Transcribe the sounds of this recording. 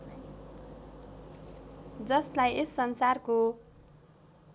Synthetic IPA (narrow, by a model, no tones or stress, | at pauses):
d͡zʌslajesːʌnsarko